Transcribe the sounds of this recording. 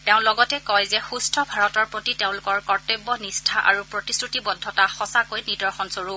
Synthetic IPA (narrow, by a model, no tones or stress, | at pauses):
teʊ̃nlɔɡɔtɛkɔjzɛxustʰɔbʱaɹɔtɔɹpɹotiteʊ̃lʊkɔɹkɔɹtebːɔnistʰaʔa̰ɹupɹotisɹutibɔdʱːɔtaxɔsakojnidɔɹxɔnsoɹu